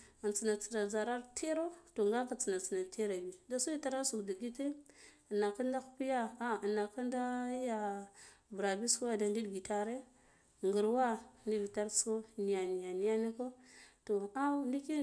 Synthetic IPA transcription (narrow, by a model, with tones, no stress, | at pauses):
a˨nt͡si˨na˨t͡si˨na˨d͡za˨ɾa˦ɾtʰe˦ɾo˦to˨ŋɡa˦ka˨t͡si˨na˨t͡si˨na˨tʰe˦ɾa˨bi˨da˦su˦i˦ta˦ɾa˦su˨kdu˨ɡi˦te˦˨ | na˨ka˦nda˦xu̥˦pi˦ja˦a˦˨na˨ka˦nda˦ja˦bɾa˨bi˦sku˦a˦da˨ndi˦dɡi˨ta˦ɾe˦˨ | ŋɡu˨ɾwa˦ndi˦vi˨ta˦ɾsko˦ni˨ja˨ni˨ja˨ni˨ja˦ni˦ko˦to˨a˦ndi˦ki˦